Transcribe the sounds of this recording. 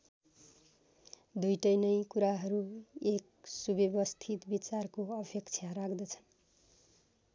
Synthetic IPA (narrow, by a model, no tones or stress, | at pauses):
d̪ujʈʌjnʌjkuɾaɦʌɾuek | subebʌst̪ʰit̪bit͡sarkoʌbʱjʌkt͡sʰjaɾakd̪ʌt͡sʰʌ̥n